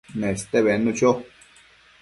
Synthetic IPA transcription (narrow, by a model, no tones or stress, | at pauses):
nẽst̪eβenũt͡ʃo